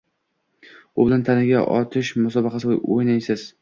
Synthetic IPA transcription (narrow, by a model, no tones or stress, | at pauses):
ʊbɪlant̪ʰanɪɡʲa̰ʔɒ̰t̪ʰɪʃmʊsɒbɑqʰɑsɪojojnajsɪz̥